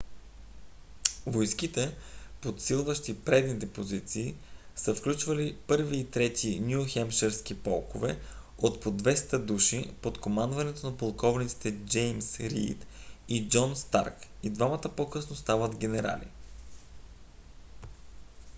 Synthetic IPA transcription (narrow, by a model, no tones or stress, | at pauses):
vojsk̟it̪ɛpot̪silˠvəʃt̪ipɾɛd̪nit̪ɛpozit̪siː | səfklʲut͡ʃvɐlipɤɾviːt̪ɾɛt̪inʲjuxɛmʃɛɾskipɔlˠkovɛ | ot̪pod̪vɛst̪əd̪uʃipot̪komand̪vɐnɛt̪onɐpolˠkɔvnit̪si̥t̪ɛd͡ʒɛjmsɾḭːt̪id͡ʒɔnst̪a̰ɾkid̪vamət̪əpokɤsnost̪avət̪ɡʲɛnɛɾa̰lḭ